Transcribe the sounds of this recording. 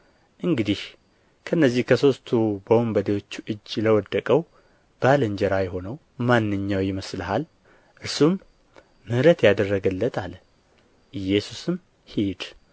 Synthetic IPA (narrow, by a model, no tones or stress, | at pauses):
ʔɨŋɡɨd̪ih | kʰəʔɨnːəzːihkʰəso̞st̪ʰubəwumbəd̪ewo̞t͡ʃːuʔɨd͡ʒːləwɔd̪ːəkʼəw | b̥aləɲd͡ʒɛɾajho̞nəw | manːɨɲːawjɪməslaɦal | ʔɨɾsumː | ɨhɾət̪jad̪ərːəɡəlːət̪ʰal | ʔɨjɛsusɨm | hid̪